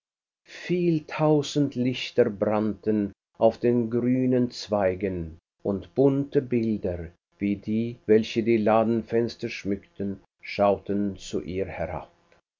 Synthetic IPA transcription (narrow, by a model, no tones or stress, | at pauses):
fiːltʰaʊzn̩tlɪçtɐbʁantən | ʔaʊfd̥eːnɡʁyːnənt͡sv̥aɪɡən | ʔʊntb̥ʊntəbɪldɐ | viːdiːvɛlçədiːlaːdn̩fɛnstɐʃmʏktən | ʃaʊtənt͡sṵʔiːhɛʁa̰p̚